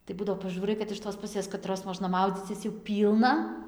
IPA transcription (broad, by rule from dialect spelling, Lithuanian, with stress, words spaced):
tɐɪ ˈbʊdɐʋoː pɐˈʒuːrɐɪ kɐt ɪʃ toːs pʊˈsʲeːs kɐˈtroːs ˈmoːʒnɐ ˈmɐʊd͡zʲiːt͡sʲɪs jɛʊ ˈpʲiːlˠnɐ